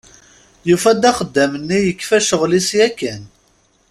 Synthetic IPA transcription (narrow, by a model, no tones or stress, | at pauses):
jufæd̪æχəd̪ːæmənːijəkːfæʃəʁlisjækːæn